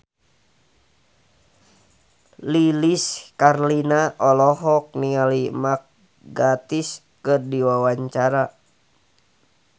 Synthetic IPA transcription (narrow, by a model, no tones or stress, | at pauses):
liliskarlinaʔɔlɔɦɔk̚niŋalimak̚ | ɡat̪is | kɨrdiwawaɲt͡ʃaɾa